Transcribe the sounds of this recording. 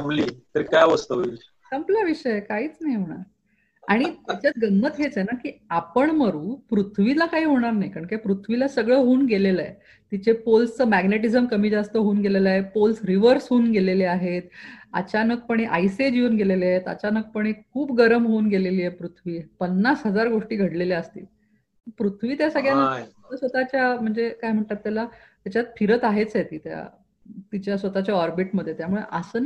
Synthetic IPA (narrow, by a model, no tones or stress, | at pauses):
əmliːt̪əɾikajʋəst̪əi | kəmplaʋiʂəjekaɦiːt͡snajm̤əɽ̃a̰ɾ | aɽ̃it̪it͡ɕjat͡sɡənːət̪ɦet͡senakiːapəɳməɾuːpɾut̪ʰʋilakaɦiːɦoɽ̃aɾnajkaɳkepɾut̪ʰʋilasəɡɭəːɦoːnɡeleləḛ | t̪it͡ɕepolst͡səːmæɡneʈizəmkəmiːd͡zast̪əɦoːnɡelelaɦepolsɾiʋəɾsɦoːnɡeleleaɦet̪ə̰t͡ɕanək̚pəɳ̃eʔajsed͡ʑiuːnɡeleleaɦet̪ə̰t͡ɕanək̚pəɽ̃ekʰuːbɡəɾəmɦoːnɡeleliːepɾut̪ʰʋiːpənːasɦəd͡zaɾɡoʂʈiːɡʱəɽleleəst̪ḭː | pɾut̪ʰʋiːt̪jasaɡjani | əsʋət̪at͡ɕjam̤əɳd͡zekaɦjm̤əɳt̪at̪ːjala | t̪jat͡ɕjat̪fʰiɾət̪aɦet͡sjet̪iːt̪ja̰ | t̪it͡ɕjasʋət̪at͡ɕjaɔɾbiʈməd̪ʱjet̪jamuɭeʔəsən